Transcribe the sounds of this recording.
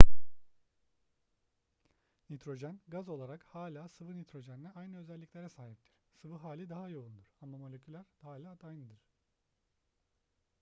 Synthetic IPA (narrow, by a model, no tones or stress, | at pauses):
nit̪ɾo̞ʒænɡazo̞lˠaɾakhaːlʲaːsɯvɯnit̪ʰɾo̞ʒæninɛajnɯøzɛlʲːiclʲeɾɛsaːɦip̚t̪ʰiɾ̥sɯvɯɦaːlʲid̪aɦajo̞und̪uɾ̥amːamo̞lʲecʰʲylʲæɾd̪̥alʲaːd̪ʰajnɯd̪ɯɾ̥